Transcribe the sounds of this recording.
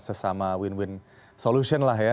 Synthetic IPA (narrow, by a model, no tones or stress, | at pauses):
sasamaːwinwin | sɔluːɕʰinlaɦaa